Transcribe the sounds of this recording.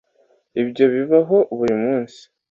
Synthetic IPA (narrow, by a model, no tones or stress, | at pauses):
ibɟo̞βiβaɦo̞βuɾimuːnsi̥